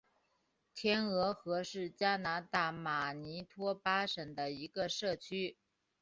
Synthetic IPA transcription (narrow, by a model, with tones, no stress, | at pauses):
t̪ʰjɛ˥nɤ˧˥xɤ˧˥ʂɻ̩˥˩t͡ɕja˥na˧˥t̪a˥˩ma˨˩ni˧˥t̪ʰwɔ˥pa˥ʂə˨˩ŋd̪ə˦i˧˥ɡə˧ʂɤ˥˩t͡ɕʰy˥